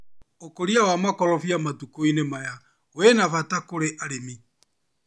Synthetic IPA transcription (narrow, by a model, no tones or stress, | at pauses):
okoɾiawamakɔlɔfjamatukoinemaja | owenafatakoɾeʔaɾemi